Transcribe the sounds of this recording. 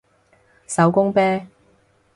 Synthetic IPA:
sɐ˨˥wkʊ˥ŋpɛː˥

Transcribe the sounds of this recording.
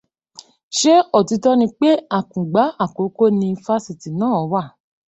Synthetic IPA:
ʃe˦ɔ˦˨ti˨˦tɔ˦nĩ˧k͡pe˦a˦˨kũ˨ɡ͡ba˨˦a˦˨ko˨˦ko˦nĩ˧fa˦si˨ti˨nãː˦˨ɔ˨˦wa˦˨

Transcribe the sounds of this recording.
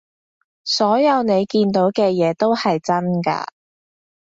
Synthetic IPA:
sɔː˨˥jɐ˨˧wne˨˧jkiː˧nt̪o˨˥wkɛː˧jɛː˨˧t̪o˥whɐ˨jt͡sɐ˥nka̰ː˧

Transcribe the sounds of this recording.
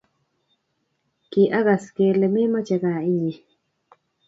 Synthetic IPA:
ki˨ʔa˦ɣa˨ske˨le˨me˦ma˦t͡ʃa˨ɡa˨i˦ɲi˨

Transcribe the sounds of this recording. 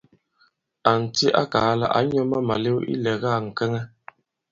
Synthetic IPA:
a˨n̩˨ti˦ʔa̰˦kaː˨˦la̰˦˨ʔa̰˨˦ɲɔ˦ma˦ma˨le˦wḭ˦lɛ˨ɣa˦˨ŋ̩˨kɛ˦ŋɛ˦

